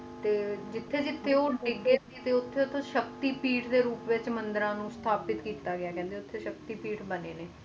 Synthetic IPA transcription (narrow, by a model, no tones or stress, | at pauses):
t̪eːd͡ʒɪt̪ʰːeːd͡ʒɪt̪ʰːeːoːɖɪɡeiːt̪eːʊt̪ʰːeːʊt̪ʰːõːʃəkt̪iːpiːʈʰd̪eːɾuːpʋɪt͡ʃmənd̪əɾãːnũːst̪ʰaːpɪt̪kiːt̪aːɡɪaːkɛ̃ːnd̪eːʊt̪ʰːeːʃəkt̪iːpiːʈʰbəneːneː